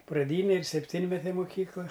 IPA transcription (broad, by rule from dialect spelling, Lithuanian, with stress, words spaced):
prɐˈdʲiːnʲeː ɪr sʲɛpʲˈtʲiːnʲmʲɛtʲeː moːˈkʲiːklˠɐ